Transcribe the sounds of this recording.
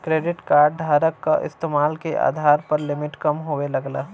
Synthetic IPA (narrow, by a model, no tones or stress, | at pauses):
kɾeːɖɪʈkaːɾɖ̚ɖʱaːɾəkːaʔɪ̰st̪eːmaːlkeʔa̰ːd̪ʱaːɾpɐɾlɪmɪʈkɐmɦoelɐɡlaː